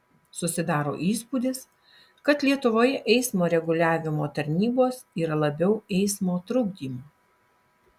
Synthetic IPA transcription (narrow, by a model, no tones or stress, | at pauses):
sʊsʲɪd̪ɑːɾo̰ːʔiːspuːd̪ʲɪs | kɐt̪lʲiɛt̪ʊʋoːjɛʔɛɪsmoːɾʲɛɡʊlʲæːʋʲɪmoːt̪ɐɾʲnʲiːboːsiːɾɐlˠɐbʲɛʊɛɪsmoːt̪ɾʊʊɡ̚d̪ʲiːmu